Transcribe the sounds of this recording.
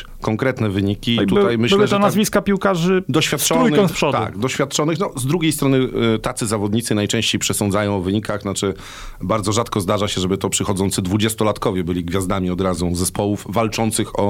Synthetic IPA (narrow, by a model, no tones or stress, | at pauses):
kɔŋkɾɛt̪nɛvɘɲikʲit̪ut̪ajmɘɕwwʐɔnazvʲiskapʲiwkaʐɘd̪ɔɕfʲjat̪ːt͡ʂ̪ɔɾujnkɛspɔdt̪a̰kd̪ɔɕfʲjat̪̚t͡ʂɔnɘxnɔzd̪ɾuɡʲjejst̪ɾɔnɘt̪at̪sɘzavɔd̪ɲit̪sɘnajt͡ʂɛ̃ɕt͡ɕejpʂɛsɔnd̪zajɔ̃w̃ɔvɘɲikaxnat͡ʂɘ | baɾd̪zɔʐat̪kɔzd̪aʐaɕɛʐɛbɘt̪ɔpʂɘxɔd̪zɔnt̪sɘd̪vud͡ʑɛst̪ɔlat̪kɔvʲjɛbɘlʲiɡvʲjazd̪amʲiɔd̪ɾazuzɛspʰɔwufvalt͡ʂɔnt̪sɘxɔ